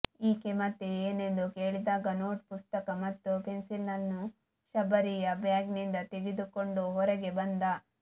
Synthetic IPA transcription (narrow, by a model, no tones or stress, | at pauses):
iːkemɐt̪ːeeːne̞nd̪uke̞ːɭid̪aːɡɐnoːʈ̚pust̪ɐkɐmɐt̪ːupensilːɐnːu | ʃɐbɐɾijɐbjaːɡnind̪ɐt̪eɡid̪ukoɳɖuɦɔɾɛɡe̞bɐnd̪ɐ